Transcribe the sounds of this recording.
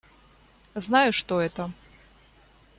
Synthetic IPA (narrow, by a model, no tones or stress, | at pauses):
znajʊʂt̪ɔɛt̪ɐ